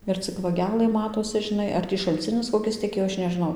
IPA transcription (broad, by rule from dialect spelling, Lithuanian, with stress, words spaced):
ɪr ˈt͡sʲɪk ʋɐˈɡʲæːlˠɘ ˈmɑːtoːsʲɪ ʒʲɪˈnɐɪ ɐr ˈtʲiː ʃɐlʲˈt͡sʲɪnʲɪs koːˈkʲɪs tʲɛˈkʲeːjoː ˈɐʃ nʲɛʒʲɪˈnɐʊ